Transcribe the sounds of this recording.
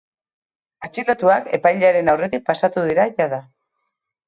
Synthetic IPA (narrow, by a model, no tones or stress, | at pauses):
at͡ʃilot̪uake̞̰pajʎaɾe̞nawre̞t̪ik̚pasat̪uð̞iɾaʝað̞a